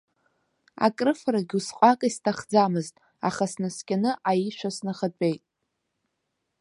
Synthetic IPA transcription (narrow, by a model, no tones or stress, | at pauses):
a̰kʼrɨfraɡʲusqʷʼakʼistʰaχd͡zamɨztʼ | aχasnɨskʲʼanɨʔajiʃʷasnaχat͡pʷʼe̞jtʼ